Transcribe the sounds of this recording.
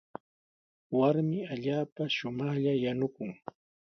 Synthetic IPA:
waɾmɪaʎaːpaʃʊmɑχʎajanʊkʊŋ

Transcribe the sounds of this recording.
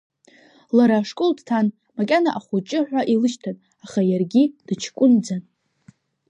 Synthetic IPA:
laɾaːʂkʼoldtʰan | makʲʼanaʔaχut͡ʃʼɪħʷᶣaʔilɨʃtʰan | aχajarɡʲid̥ɨt͡ʃʰkʷʼʊnd͡zan

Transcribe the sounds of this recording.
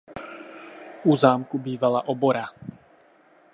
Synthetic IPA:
uzaːmkubiːʋalaʔɔbɔɾa

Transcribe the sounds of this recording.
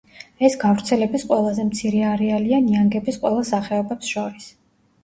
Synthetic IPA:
ɛsɡavɾt̪sʰɛlɛbisqʼwɛlˠazɛmt̪sʰiɾɛaɾɛalianiaŋɡɛbisqʼwɛlˠasaχɛɔbɛpsʃɔɾis

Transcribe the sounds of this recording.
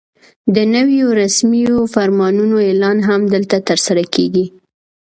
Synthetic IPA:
d̪ənəwjoɾasmijofaɾmɑnunoelɑnɦamd̪əlt̪at̪əɾsaɾakeɡi

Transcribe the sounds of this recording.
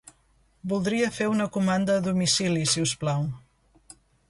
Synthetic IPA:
bulˠd̪ɾiəfeunəkumand̪əːðumisilisiusplaw

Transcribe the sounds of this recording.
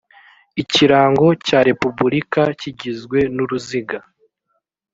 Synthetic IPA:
iciɾaːŋɡo̞caːɾe̞pubuɾikaciɟizɡwe̞nuɾuziɡa

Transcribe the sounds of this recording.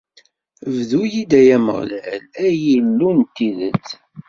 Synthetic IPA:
vðujid̪æjæmə̰ʁlælæjilːunt̪ːiðə̰t͡sː

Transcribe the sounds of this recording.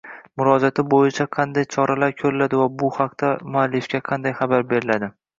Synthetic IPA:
mʊɾɒd͡ʒat̪ʰɪbojɪt͡ʃʰaqʰɑnd̪ajt͡ʃʰɒɾalaɾkʲʰɵɾɪlad̪ɪvabʊhɑqt̪amʊalːɪfkʲaqʰɑnd̪ajχɑbaɾbe̞ɾɪlad̪ɪ

